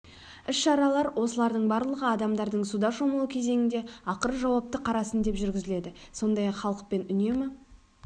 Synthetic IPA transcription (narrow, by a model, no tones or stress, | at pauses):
ɪsʃɑɾɑlˠɑɾwo̞səlˠɑɾd̪əɴbɑɾlˠəʁəɑd̪ɑmd̪ɑɾd̪əɴsud̪ɑʃo̞məlˠəkʲʰe̞ze̞ŋɪnd̪e̞ɑqəɾəʒɑwɑp̚t̪əqʰɑɾɑsənd̪e̞pʒʏɾɡʲɪzɪle̞d̪ɪso̞nd̪ɑjɑqχɑlˠəq̚pe̞nʏne̞mɪ